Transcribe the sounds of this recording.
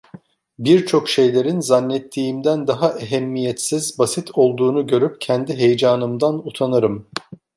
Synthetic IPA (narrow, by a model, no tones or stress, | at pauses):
biɾt͡ʃʰo̞kʃe̞jlʲe̞ɾinzanːɛt̪ʰːiːmd̪ænd̪aɦaʔeɦɛmːijɛt̪sizbasit̪ʰo̞lˠd̪uːnuɟø̞ɾyp̚cʰɛnd̪iɦejd͡ʒaːnɯmd̪anut̪ʰanɯɾɯm